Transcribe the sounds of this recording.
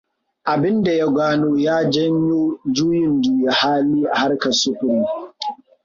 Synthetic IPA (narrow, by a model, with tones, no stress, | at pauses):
ʔa˨bɪ˦nda˨ja˦ɡʷaː˦noː˦jaː˦d͡ʒɐ˦ɲjoː˦d͡ʒuː˦jɪ˨nduː˨ja˨haː˦liː˦ʔa˨ha˦rkɐ˨sʊ˦kʷʊ˨ɾiː˦